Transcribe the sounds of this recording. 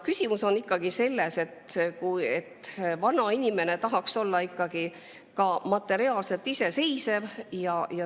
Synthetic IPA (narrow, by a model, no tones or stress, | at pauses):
kysʲimuso̞nikːɑɡ̥ise̞lːe̞se̞t̪kujet̪ːvɑnɑinʲime̞ne̞t̪ɑɦɑkso̞lːɑikːɑɡ̥i | kɑmɑt̪ːˑe̞ɾiɑːlse̞lt̪ise̞se̞jsevjɑjɑ